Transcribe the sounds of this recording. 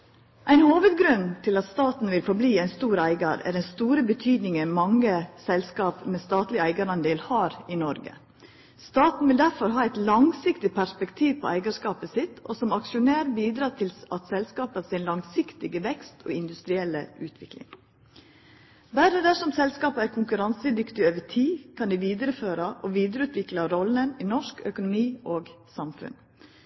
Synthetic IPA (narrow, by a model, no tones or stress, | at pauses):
ʔæɪnhoːʋəd̪ɡɾʉnt̪ʰɪlɑt̪st̪ɑːt̪n̩ʋɪlfɔɾbliːæɪnst̪uːɾæɪɡɑɾæ̰ɾɖɛnst̪uːɾəbət̪ʰyːd̪nɪŋənmɑŋəsɛlskɑːpmɛst̪ɑːt̪lɪæɪɡɑɾɑnd̪eːlhɑːɾɪnɔɾɡə̰ | st̪ɑːt̪n̩ʋɪld̪æɾfɔɾɦɑːæɪt̪lɑŋsɪkt̪ɪpʰæʂpɛkt̪ʰiːʋpʰɔ̰ʔæɪɡɑʂkɑːpəsɪt̪ʰɔ̰sɔmɑkʂʊnæːɾbiːd̪ɾɑːt̪ʰɪlɑt̪sɛlskɑːpəsɪnlɑŋsɪkt̪ɪɡəʋɛkst̪ʰo̰ːɪnd̪ʉst̪ɾɪɛlːə̰ʔʉːt̪ʰʋɪklɪ̰ŋ | bæɾəd̪æʂɔmsɛlskɑːpəæːɾkʰʊŋkʉɾɑnsəd̪ʏkt̪ɪoːʋətʰiːkʰɑnd̪iːʋiːd̪əɾəføːɾəʔɔʋiːd̪ɾəʉːt̪ʰʋɪklɑɾɔlːəninɔʂkœkʊnʊmiːʔoːɡsɑmfʉ̰n